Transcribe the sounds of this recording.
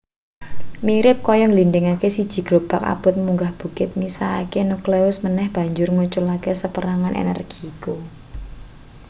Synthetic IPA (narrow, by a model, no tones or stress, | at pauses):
miɾɪp̚kɔjɔŋlindɪŋakesid̥ʒ̥i̤ɡ̥ɾob̥aka̰b̥ʊ̤t̪̚muŋɡahb̥ṳkɪt̪̚misaːkenukleʊsmənɛhb̥a̤ɲd͡ʒʊrŋut͡ʃʊlakesəpəɾaŋanʔḛnɛ̰rɡ̥iku